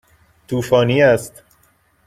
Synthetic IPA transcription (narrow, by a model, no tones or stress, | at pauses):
t̪ʰuːfɒːniːæst̪